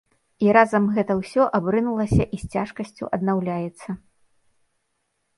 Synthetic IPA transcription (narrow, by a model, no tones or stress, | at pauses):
iɾazɐmɣɛt̪ɐwsʲɔʔabɾɨnulˠɐsʲɐʔisʲt͡sʲaʂkɐsʲt͡sʲṵʔɐd̪nawlʲajɛt̪sːɐ